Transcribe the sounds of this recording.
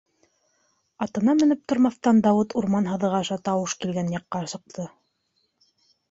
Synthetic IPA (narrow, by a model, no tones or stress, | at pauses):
ɑt̪ɤ̆nɑmɘ̆nɘp̚t̪ŏɾmɑθt̪ɑnd̪ɑwɤt̪uɾmɑnɦɤ̆ðɤ̆ʁɑʃɑt̪ɑwɤʃkilɡænjɑqːɑsɤ̆q̚t̪ʰɤ